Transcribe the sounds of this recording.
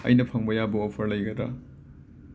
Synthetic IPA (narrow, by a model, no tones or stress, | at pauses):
ɐ̰jnɐpʰaŋbɐjabɐɔpʰɐɾlɐjɡɐdɾa̰